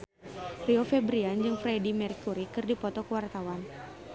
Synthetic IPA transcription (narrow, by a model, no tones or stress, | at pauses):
riɔfɛbɾiand͡ʒɨŋfɾɛdimɛrkuɾikɨrdipɔt̪ɔkəwart̪awan